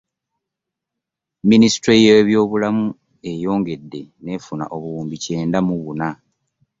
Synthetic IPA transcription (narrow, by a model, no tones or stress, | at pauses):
minisi̥tɾejeβjo̞ːβulamu | e̞jo̞ːŋɡe̞dːe̞ne̞ːfuna̰ʔo̞βuuːmbice̞ːndamuβuna